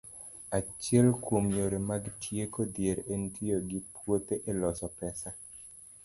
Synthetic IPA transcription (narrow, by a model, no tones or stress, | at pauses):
at͡ʃjɛlkwomɲoɾemaɡtʰjekod̪jeɾentʰijoɡɪpwot̪eʔelɔsɔpɛsa